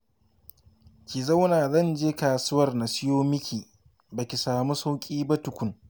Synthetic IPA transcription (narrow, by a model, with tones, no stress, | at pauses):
kʲi˨za˦wnaː˨zɐ˦˨nd͡ʒeː˦kaː˨sʊ˦wɐ˨rna˨sɪ˦joː˦mɪ˦kʲiː˨ | bɐ˨kʲi˨saː˨mu˦sa˦wkʲʼiː˦bɐ˦tʊ˨kʷʊ˨ŋ